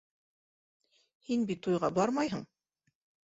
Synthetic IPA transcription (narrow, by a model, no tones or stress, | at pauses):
hinbit̪ujʁɑbɑɾmɑjɦɤɴ